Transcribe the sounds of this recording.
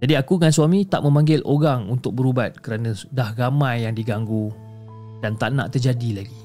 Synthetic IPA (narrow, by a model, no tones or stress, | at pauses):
d͡ʒadiakuŋansuamĩt̪a̰ʔmə̃mãŋɡɪlʔoɾaŋunt̪ʊk̚bəɾubat̪̚kəɾanãdahramãjːaŋdiɡaŋɡu | d̥ant̪aʔna̰ʔt̪ərd͡ʒadilaɡi